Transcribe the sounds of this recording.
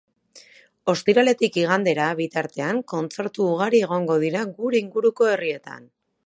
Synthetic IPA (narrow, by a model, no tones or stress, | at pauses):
o̞st̪iɾale̞t̪ikiɣ̞and̪e̞ɾaβit̪aɾt̪e̞aŋko̞nt͡se̞ɾt̪uːɣ̞aɾie̞ɣ̞o̞ŋɡo̞ðiɾaɡuɾe̞iŋɡuɾuko̞e̞rie̞t̪a̰n